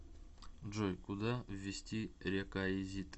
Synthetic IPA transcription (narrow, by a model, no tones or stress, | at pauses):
d͡ʒojkud̪avʲːesʲtʲiɾʲekaezʲit̪ʼ